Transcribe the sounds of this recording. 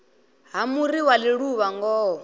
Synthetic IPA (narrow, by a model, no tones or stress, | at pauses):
ɦamuɾiwaliɺuβaŋɡɔːɦɔ